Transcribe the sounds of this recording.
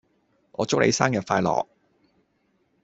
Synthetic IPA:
ŋʔɔː˨˧t͡sʊ˥k̚lʔḛ˨˧jsaː˥ŋjɐ˨t̚faː˧jlɔ̰ː˨k̚

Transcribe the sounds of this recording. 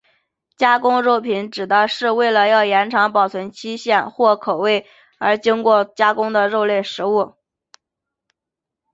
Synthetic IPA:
t͡ɕja˥kʊ˥ŋɻo˥˩ʊpʰi˧˥nʈ͡ʂɻ̩˨˩d̪ə˦ʂɻ̩˥˧we˥˩ɪlə˩jɑ˥˩ʊjɛ˧˥nʈ͡ʂʰɑ˧˥ŋpɑ˨˩ʊt͡sʰə˧˥nt͡ɕʰi˥ɕjɛ˥˩nxwɔ˥˩kʰo˨˩ʊwe˥˩ɪ | ə˞˧˥t͡ɕi˥ŋkwɔ˥˩t͡ɕja˥kʊ˥ŋd̪ə˨ɻo˥˧ʊljɛ˥˩ʂɻ̩˧˥u˥˩

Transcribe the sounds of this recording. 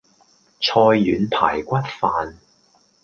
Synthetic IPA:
t͡ʃʰɔː˧jːyː˨˧np̪ʰa̰ː˨˩jkʷɐ˥t̚faː˨n

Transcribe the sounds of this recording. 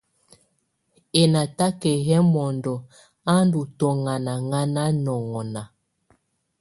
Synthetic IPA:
e˨na˨ta˦kɛ˨ɣɛ˦mɔ˨ndɔ˨ | a˦ndu˨tɔ˨ŋa˨na˨ŋa˦na˦nɔ˨ŋɔ˨na˨

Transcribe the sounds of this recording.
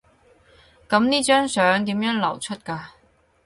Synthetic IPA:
kɐ˨˧˥mniː˥t͡ʃœː˥ŋsœː˨˥ŋt̪iː˨˥mjœː˨˥ŋlɐ˨˩wt͡ʃʰɵ˥t̚kaː˧

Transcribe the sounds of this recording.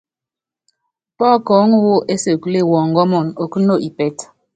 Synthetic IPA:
pɔ˦kɔː˨˦ŋu˦wo˦ʔe˦se˨kle˦˨wɔː˨ŋ˨ɡɔ˦mɔ˨no˨ku˦no˦ʔi˨pɛ˨t

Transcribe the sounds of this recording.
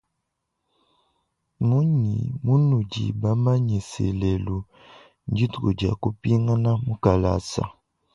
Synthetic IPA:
mu˦ɲi˨mu˦nu˨d͡ʒḭ˨ba˦ma˦ɲi˨sɛ̰˨lɛ˨lu˨ | n˦d͡ʒi˦tṵ˨d͡ʒa̰˨ku˦pi˦ŋa˦na˦mu˦ka˨la̰˨sa̰˨

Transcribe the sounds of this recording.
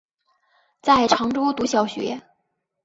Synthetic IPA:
t͡sa˥˩ɪʈ͡ʂʰɑ˧˥ŋʈ͡ʂɔ˥t̪u˧˥ɕjɑ˨˩ʊɕɥɛ̰˧˥

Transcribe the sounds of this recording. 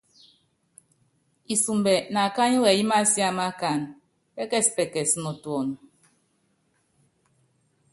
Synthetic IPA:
i˨su˨mbɛ˨na˨ka˦ɲi˦wɛ˨ji˦ma˦si˦a˦ma˦ka˨n | pɛ˦kɛ˦si̥˨pɛ˨kɛ˨si˨nɔ˨twɔ˨n˨

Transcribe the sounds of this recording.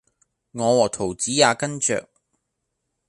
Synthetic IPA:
ŋɔː˨˧wɔː˨˩t̪ʰo˨˩wt͡siː˨˥jaː˨˧kɐ˥nt͡ʃœ̰ː˨k̚

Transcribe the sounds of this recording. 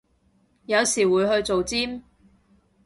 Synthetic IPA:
jɐ˨˧wsiː˨˩wuː˨˧jɦɵ˧ɥt͡so˨wt͡siː˥m

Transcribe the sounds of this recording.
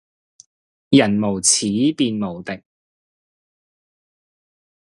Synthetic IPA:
jɐ˨˩nmo˨˩wt͡sʰiː˨˥piː˧nmo˨˩wt̪ɪ˨k̚

